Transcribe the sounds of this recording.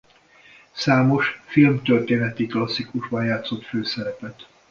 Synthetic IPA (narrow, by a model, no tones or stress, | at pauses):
saːmo̞ʃfilmt̪ørt̪eːnɛt̪iklɒsːikuʒbɒnjaːt̪so̞t̪føːsɛɾɛpɛt̪